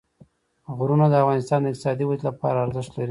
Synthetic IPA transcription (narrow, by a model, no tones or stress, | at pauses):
ɣuɾunad̪əafɣɑnɪst̪ɑnd̪əɪq̚t̪ɪsɑd̪iwazlapɑ̰ɾaːɾzəʃt̪laɾi